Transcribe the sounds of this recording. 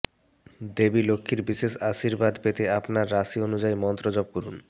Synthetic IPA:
d̪ebilokʰːiɾbiʃeʃaʃiɾbad̪pet̪eapnaɾːaʃionud͡ʑaimɔnt̪ɾod͡ʑɔb̚koɾun

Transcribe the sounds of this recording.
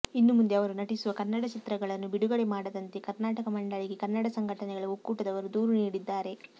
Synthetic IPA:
inːumund̪e̞ɐʋɐɾunɐʈisuʋɐkɐɾnːɐɽɐt͡ʃit̪ɾɐɡɐɭɐnːubiɽuɡɐɽemaːɽɐd̪ɐnt̪e̞kɐɾnaːʈɐkɐmɐɳɖɐɭiɡe̞kɐɾnːɐɽɐsɐŋɡʱɐʈɐnɛɡɐɭuokːuːʈɐd̪ɐʋɐɾud̪uːɾuniːɽid̪ːaːɾe̞

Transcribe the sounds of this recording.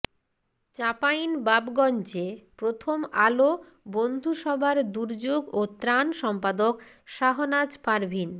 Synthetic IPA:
t͡ɕapajnbabɡɔnt͡ɕepɾot̪ʰomalo | bond̪ʱuʃɔbʱaɾd̪uɾd͡ʑoɡot̪ɾanʃɔmpad̪ok | ʃaɦonad͡ʑpaɾbʱin

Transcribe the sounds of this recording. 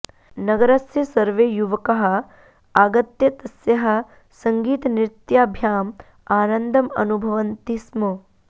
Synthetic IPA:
nɐɡɐɾɐsjɐsɐɾʋeːjuʋɐkɐɦɐ̆ | aːɡɐt̪jɐt̪ɐsjɐɦɐ̆ | sɐŋɡiːt̪ɐniɾt̪jaːbʱjaːm | aːnɐnd̪ʱɐmɐ̰nubʱɐʋɐnt̪ismo

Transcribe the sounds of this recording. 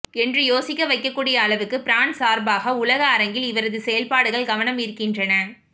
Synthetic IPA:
ɛndrɯjoːsɪkːɐʋɐɪkːɐkːuːɽɪjɐːɭɐʋɯkːɯpɪɾaːnsaːɾbaːɣɐʊlɐɣɐːɾɐŋɡɪlɪʋɐɾɐðɯsɛjɐlpaːɽɯɣɐɭɡɐʋɐnɐmɪɾɯkːɪndrɐnɐ

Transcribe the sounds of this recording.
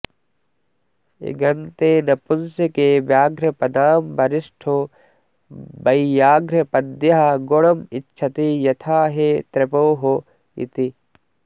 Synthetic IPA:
ḭɡɐnt̪eːnɐpʊnsekeːbjaːɡɾɐpɐd̪aːmbɐɾɪsʈʰo | bɐijaːɡɾɐpɐd̪jɐɦɐɡoɽɐmɪtːʃʰɐt̪ijɐt̪ʰaːɦet̪ɾɐpoːɦo | ḭt̪i

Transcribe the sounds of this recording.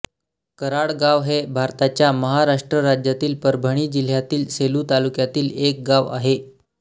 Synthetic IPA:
kəɾaɽɡaʋɦebʱaɾt̪at͡ɕjaməɦaɾaʂʈɾəɾad͡ʑjat̪iːlpəɾbʱəɽ̃iːd͡ʑil̤jat̪iːlseluːt̪alukjat̪iːlek̚ɡaʋa̰ɦe

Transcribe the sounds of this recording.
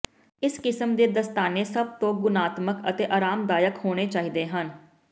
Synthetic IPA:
ɪskɪsəmd̪eːd̪əst̪aːneːsəb̚t̪õːɡʊnaːt̪məkət̪eːʔaːɾaːmd̪aːjəkhoːɽ̃eːt͡ʃaːɦiːd̪eːɦən

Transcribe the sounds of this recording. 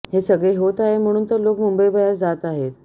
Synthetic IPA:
hesəɡɭeɦot̪aɦem̤əɽ̃uːnt̪əɾlokmumbəjbʱəjat͡sd͡zat̪aɦet̪

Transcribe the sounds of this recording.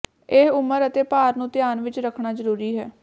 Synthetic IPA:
eɦʊməɾət̪eːpaːɾnũːt̪ɪjaːnʋɪt͡ʃɾəkʰɳaːzəɾuːɾiːɦɛː

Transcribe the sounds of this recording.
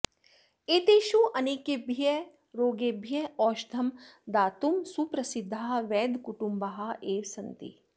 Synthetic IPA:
et̪eʃuʔɐnikebʱe | ɾoːɡebʱjeɔːʃd̪ʱɐmd̪aːt̪umsupɾɐsid̪ʱːaʋɛːd̪kuʈumbɐɦaeːʋsɐnt̪ḭ

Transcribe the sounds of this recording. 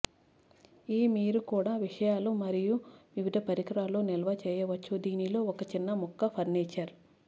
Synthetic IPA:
iːmiːɾukuːɽaːʋiʂɐjaːlumɐɾijuʋiʋid̪ʱɐpɐɾikɐɾaːloːnɛlɐʋɐt͡ʃɛːjɐʋɐt͡ʃːud̪iːnilo̞ːɔkɐt͡ʃinːɐmukːɐpʰɐɾneːt͡ʃːaːɾu

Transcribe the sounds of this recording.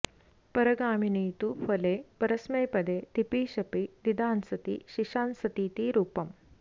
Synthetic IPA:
pɐɾɐɡaːminiːt̪ufʰɐleːpɐɾɐsmeːpɐd̪eːt̪ipiːʃɐpinid̪aːnsɐt̪iʃiʃaːnsɐt̪iːt̪iɾuːpɐm

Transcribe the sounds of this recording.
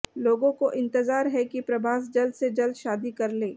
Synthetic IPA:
loːɡõkoʔɪ̃nt̪ɪzaːɾɦɛkipɾɐbʱaːs̬d͡ʒɐld̪sed͡ʒɐld̪ʃaːd̪ikɐɾleː

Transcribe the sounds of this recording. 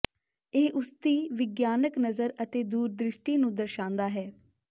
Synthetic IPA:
eːʔʊst̪iːʋɪɡjaːnəknəzəɾət̪eːd̪uːɾd̪ɾɪʃʈiːnũːd̪əɾʃãːnd̪aːɦɛː

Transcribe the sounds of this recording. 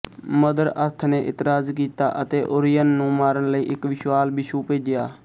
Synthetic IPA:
məd̪əɾəɾt̪ʰneːʔɪt̪ɾaːzkiːt̪a̰ːʔət̪eːʔʊɾɪjənːũːmaːɾənləiːʔɪkʋɪʃʋaːlbɪʃuːpeːd͡ʒɪjaː

